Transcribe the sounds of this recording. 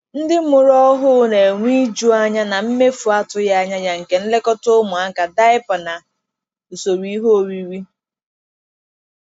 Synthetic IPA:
n̩˦dɪ˦mʊ˨ɾɔ˦ɦʊ˦ne˨ŋʷi˦d͡ʒu˦a˦ɲa˦na˨m̩˦me˦fu˨a˦tʊ˦ja˦ɲa˦ja˦ŋ̩˨ke˨n̩˦le˦kɔ˦tʊ˦mʊ˨a˦˨ka˨da˦ɪ˦pʊ˨na˨ | u˨so˨ɾi˦i˦ɦo˦o˨ɾi˨ɾi˦

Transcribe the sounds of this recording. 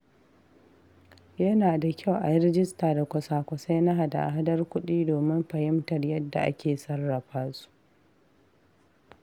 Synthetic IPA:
jɐ˦naː˨da˨kʲʰa˦wʔa˨jɪ˦ɾɪ˦d͡ʒɪ˦staː˨da˨kʷɐ˨saː˨kʷɐ˨sa˦jna˦ɦa˨da̰˨ʔa̰˨ɦa˦dɐ˦rkʷʊ˦ɗiː˦doː˨mɪ˦mɸɐ˨hɪ˦mtɐ˨rjɐ˦dːa̰˨ʔa̰˦kʲeː˨sɐ˦rːɐ˨ɸaː˦su̥˦ʔ

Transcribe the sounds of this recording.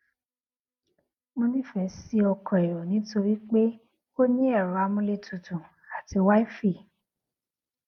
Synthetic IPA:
mõ˧nĩ˦fɛ˧si˦ɔ˧kɔ̃˨e˨ɾo˨nĩ˨˦to˧ɾi˦k͡pe˦ | ko˦nĩ˦ɛ˦˨ɾa˨˦mũ˧le˦˨tʰũ˨tũ˨ | a˨ti˧˦wa˦i˦fi˦˨

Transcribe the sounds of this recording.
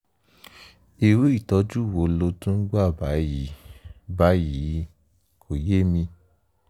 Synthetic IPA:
i˨ɾu˦i˦˨tɔ˧˦d͡ʒu˦˨wo˨˦lo˧˦tũ˦ɡ͡ba˦˨ba˨˦ji˨˦ba˨˦ji˨˦ | kʰo˨je˦mĩ˧

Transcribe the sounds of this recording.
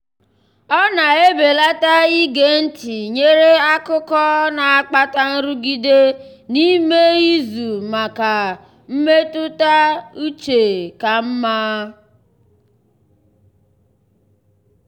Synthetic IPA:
ɔ˦na˨e˦be˨la˦ta˦i˦ɡe˨n̩˦ti˨ɲe˦ɾe˦a˦kʊ˦kɔ˦na˨a˦k͡pa˦ta˦n̩˦ɾu˦ɡi˦de˦ | ni˦me˦i˦zu˨ma˨ka˨ | m̩˦me˦tʊ˦ta˦u˦t͡ʃe˨ka˨m̩˦maː˦

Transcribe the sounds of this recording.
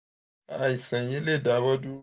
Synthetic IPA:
a˨i˨sã˨ji˦le˦˨da˨˦bɔ˦du˦

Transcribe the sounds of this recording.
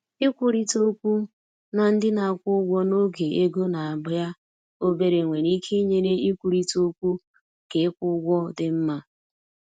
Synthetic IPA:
i˦kʷu˨ɾi˦to˦kʷu˦ | na˨n̩˦dɪ˦na˨a˨kʷʊ˦ɡʷɔ˦no˦ɡe˨e˦ɡo˦na˨a˨bʊ˨ja˦ | o˦be˦ɾe˨ŋʷe˨ni˦kʰe˦ɲe˦ne˦i˦kʷu˨ɾi˦to˦kʷu˦ | ke˨ɪ˦kʷʊ˦ɡʷɔ˦dɪ˦m̩˦ma˦

